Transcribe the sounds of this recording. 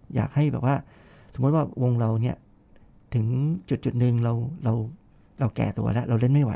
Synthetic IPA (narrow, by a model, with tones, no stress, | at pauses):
ja̰ː˨˩k̚ha˥˩jbɛː˨˩p̚waː˥˩ | so˨˩˦m˦˥t̪̚waː˥˩wo˧ŋɾa˧wni˥˩ɐ | t̪ʰɯ˩˦ŋt͡ɕu˨˩t̪̚t͡ɕu˨˩t̪̚nɯ˧ŋɾa˧wɾa˧w | ɾa˧wkɛ̰ː˨˩t̪ṵ˧ɐla˦˥ʔɾa˧wle˥˩nma˥˩jwa˧˦